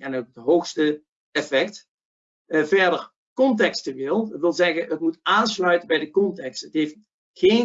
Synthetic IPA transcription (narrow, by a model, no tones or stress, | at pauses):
ɛnodəɦowxstə | ɛfɛkt | vɛɹdəɹ | kɔntɛkstəʋɪlˠʋɪlˠzɛɣənətmutaːnslœɥtəbɛjdəkɔntɛkstətɦejft | χeː